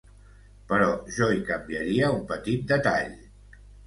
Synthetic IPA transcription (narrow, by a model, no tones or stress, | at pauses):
pəɾɔʒɔikəmbiəɾiəumpət̪it̪̚d̪ət̪aʎ